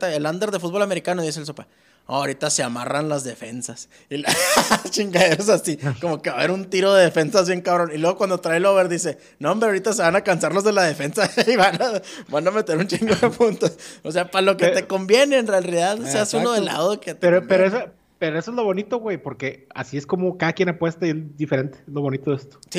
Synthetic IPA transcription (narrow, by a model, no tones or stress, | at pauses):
t̪aeland̪eɾðefut̪bo̞lame̞ɾikano̞ðis̬elsopa | o̰aoɾit̪ase̞ama̰ranlazðe̞fe̞nsas | ilat͡ʃiŋɡaðeɾos̬asiko̞mo̞ke̞βaβeɾunt̪iɾo̞ðe̞ð̞e̞fe̞nsazβje̞ŋkaβɾo̞nilwe̞ɣo̞kwand̪o̞t̪ɾajloβeɾðise̞ | nombeoɾit̪ase̞βanakansaɾlo̞zðe̞lað̞e̞fe̞nsaiβanabaname̞t̪e̞ɾunt͡ʃiŋɡoðepunt̪ososeapalo̞keee̞ko̞mbje̞ne̞ːnrealiðaðseasunoðela̰ðoket̪eɾopeɾoeso | peɾoesoezlo̞βo̞nit̪o̞ɣwejpo̞ɾke̞a̰siesko̞mokaðakje̞napwe̞st̪aiezd̪ifeɾe̞nt̪eezlo̞βo̞nit̪oðest̪o̥si